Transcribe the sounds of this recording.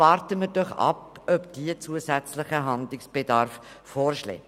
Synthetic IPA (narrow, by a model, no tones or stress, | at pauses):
ɑːɾtəməɾdɔχɑ̰p̚ | œpd̥iət͡suəsæt͡slɪχəɦɑnd̪lɪksb̥edɑɾfː | oːrʃlḛː